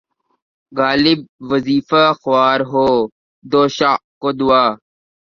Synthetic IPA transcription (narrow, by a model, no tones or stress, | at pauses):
ɡaːlɪb̚ʋəziːfaxʊwaːɾɦoː | d̪oːʃaːʔkoːd̪ʊaː